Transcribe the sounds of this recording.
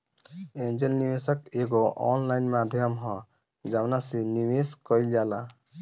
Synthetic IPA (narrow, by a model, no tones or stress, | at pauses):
end͡ʒelniwesəkeɡoʔɔ̰nlajnmad̪ʱjəmɦɔ̃ | d͡ʒawnaseniweskɔild͡ʒala